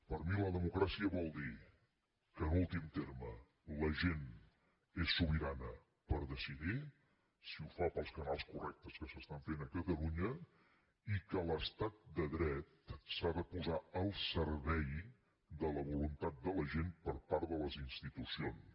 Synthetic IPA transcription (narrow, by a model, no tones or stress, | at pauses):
pəɾmiləðəmukɾasiəβɔlˠd̪i | kənulˠt̪imt̪eɾmə | ləʒen | esːuβiɾanə | pəɾðəsiði | siufapəlˠskənalˠskurɛk̚t̪əskəsəst̪aɱfenəkət̪əluɲə | ikələst̪at̪̚d̪əðɾɛt̪saðəpuzaəlˠsəɾβɛj | d̪ələβulunt̪at̪̚d̪ələʒenpəɾpaɾðələzinst̪it̪usions